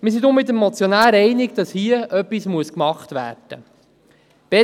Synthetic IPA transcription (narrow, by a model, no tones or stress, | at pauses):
mɪs̬idomɪt̪̬əmmɔt͡sjɔnæːɾɛjnɪɡd̥ɑshiəʔœpːismuəskmɑχt̪ʋæ̰ːrd̥ə̰ | b̥ɛ